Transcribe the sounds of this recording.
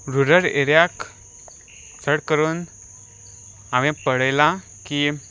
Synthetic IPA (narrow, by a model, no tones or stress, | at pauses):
ɾuɾəɾeɾjak | t͡səɽkəɾuːn | aʋẽpəɽəjlã | ki